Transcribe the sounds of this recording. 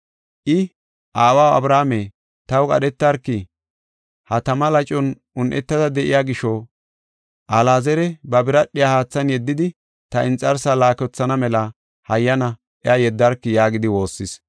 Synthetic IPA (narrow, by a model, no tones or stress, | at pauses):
ʔɪ | ʔaːwawɐ̰bɾaːme | t̪ɐwkʼɐ̰ɗɛt̪ːɐɾkːɪ | hɐt̪ɐmɐlɐt͡ʃʼːɔn | ʊnʔɛt̪ːɐd̪ɐd̪ɛʔɪjaːɡɪʃɔ | ʔɐlaːzɛɾɛbɐbɪɾɐɗːɪjahaːt͡sːɐnjɛd̪ːɪd̪ɪ | t̪ɐʔɪnt͡sʼɐɾsalaːkɔt͡sːɐnɐmɛlɐ | hɐjːɐnɐ | ʔɛɐjɛd̪ːɐɾkːɪjaːɡɪd̪ɪwo̞ːsːɪs